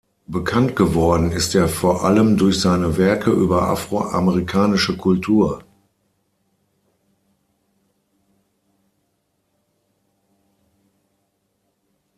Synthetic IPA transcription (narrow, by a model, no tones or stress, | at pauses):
b̥əkʰantɡ̥əvɔɐdn̩ɪstʔeːɐfoːɐʔaləmdʊɐçz̥aɪnəvɛɐkʰəʔyːbɐʔa̰fʁ̥oʔa̰məʁikʰaːnɪʃəkʰʊltʰuːɐ